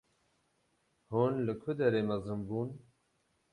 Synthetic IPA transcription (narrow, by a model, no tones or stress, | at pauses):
hunlɨkʰʊd̪ɛɾeːmɐzɨmbuːn